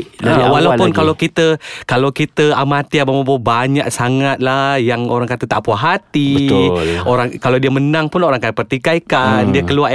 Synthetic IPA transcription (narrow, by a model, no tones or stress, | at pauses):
awalapʊnkalawkit̪əkalawkit̪əamat̪iabəmabobaɲaʔsaŋat̪̚lajaŋoɾaŋkat̪ət̪a̰ʔpuaɦat̪iəoɾaŋkalawdiəmənãŋpʊnoɾaŋkapərt̪ikaikandiəkəlua